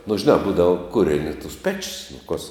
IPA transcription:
nʊ ʒʲɪˈnɑː ˈbuːdɐʋoː ˈkʊrʲɛnʲɪ tʊs ˈpʲæːt͡ʃʲɪs nʊ koːs

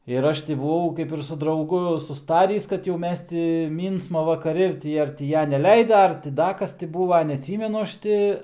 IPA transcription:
ɪr ˈɐʃ tʲɪ bʊˈʋɐʊ kɐɪp ɪr sʊ drɐʊˈɡʊ sʊsˈtɑːrʲiːs kɐt jɛʊ ˈmʲɛs tʲɪ ˈmʲiːnsmɐ ʋɐkɐˈrʲɪ ɪr ˈtʲɪ ɐr tʲɪ ˈjɛ nʲɛlʲɛɪdɐ ɐr tʲɪ ˈdɐ ˈkɐs tʲɪ ˈbuːʋɐ nʲɛɐtʲˈsʲiːmʲɛnʊ ˈɐʃ tʲɪ

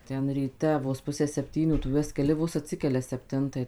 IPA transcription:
ˈtʲɛn rʲiːˈtʲɛ ʋoːs ˈpʊsʲæː sʲɛpʲˈtʲiːnʲuː tʊ ˈjuɔs kʲɛˈlʲɪ ˈʋoːs ɐtʲˈsʲɪkʲɛlʲɛ sʲɛpʲˈtʲɪntɐɪ

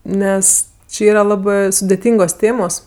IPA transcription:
ˈnʲɛs ˈt͡ʃʲɪ ˈiːrɐ ˈlˠɑːbɜ sʊdʲɛˈtʲiːŋɡoːs ˈtʲeːmoːs

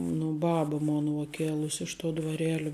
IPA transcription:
nʊ ˈbɑːbɐ ˈmoːnɐ uɔ ˈkʲeːlˠʊsʲ ˈɪʃ ˌtuɔ dʋɐrʲˈeːlʲɪ

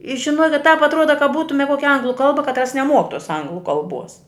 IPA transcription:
ɪ ˈʒʲɪnoːkʲɪt tɑːp ɐtˈruɔdɐ kɐt ˈbuːtʊmʲɛ ˈkuɔkʲɛ ˈɐŋɡlˠʊ ˈkɐlˠbɐ kɐtˈrɐs nʲɛˈmuɔk tuɔs ˈɐŋɡlˠʊ kɐlˠˈbuɔs

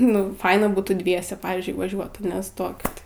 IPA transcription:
nʊ ˈfɐɪnɐ ˈbuːtuː ˈdʲʋʲiɛsʲɛ ˈpɑːʋʲiːzʲd͡ʒʲʊɪ ʋɐˈʒʲuɔt ɐˈnʲɛ ˈstoːkʲɪt

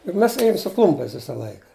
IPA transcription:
jʊk ˈmʲɛs ˈeːjʊm sʊ ˈklˠʊmʲpʲɛɪs ˈʋʲɪsɐ ˈlˠɐɪkɐ

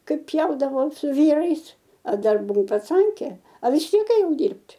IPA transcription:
ˈkɐɪp ˈpʲjɛʊdɐʋɐʊ sʊ ˈʋʲiːrɐɪs ɐ ˈdɐr bʊˈʋɐʊ pɐˈt͡sɐŋʲkʲeː ɐ ʋʲɪs ˈtʲiɛk eːˈjɛʊ ˈdʲiːrʲpʲtʲ

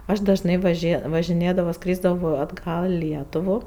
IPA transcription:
ˈɐʃ dɐʒˈnɐɪ ʋɐˈʒʲeː ʋɐʒʲɪˈnʲeːdɐʋoː ˈskrʲiːzdɐʋoː ɐdˈɡɐlˠ ɪ ˈlʲiɛtʊʋʊ

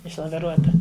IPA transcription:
ɪʃlˠɐʋʲɪˈruɔtɐ

